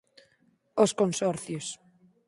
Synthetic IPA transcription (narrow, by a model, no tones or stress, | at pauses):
oskonsɔɾθjos